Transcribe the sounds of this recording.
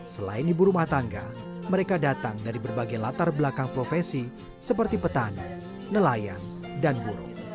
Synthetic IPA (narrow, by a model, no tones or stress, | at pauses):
səla̰ɪndibuɾumaht̪aŋɡa | məɾekadat̪aŋdaɾibərbaɡajlat̪arbəlakaŋpɾofesi | səp̬ərt̪ipət̪anḭ | nəlaja̰n | danbuɾṵ